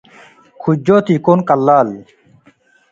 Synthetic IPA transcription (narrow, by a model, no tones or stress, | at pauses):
kʰud͡ʒoːt̪iːkoːnkɐlːaːli